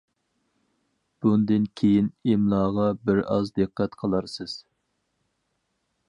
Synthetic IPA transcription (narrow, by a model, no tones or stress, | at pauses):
b̥und̪ɪnkʲʰejinemlˠɑːʁɑbɪɾɑzd̪ɨqːɛt̪qʰəlˠɑɾsɨz̥